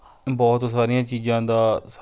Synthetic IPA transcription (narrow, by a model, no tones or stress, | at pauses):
bɔːt̪saːɾijãːt͡ʃiːzãːd̪aːs